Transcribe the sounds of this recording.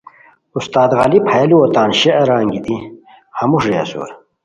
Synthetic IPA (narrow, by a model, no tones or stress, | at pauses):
ust̪aːd̪ɣɐlipʰɐjɐliot̪aːnɕeʔɐɾaːŋɡit̪i | hɐmuʂjɐ̰sṵːɾ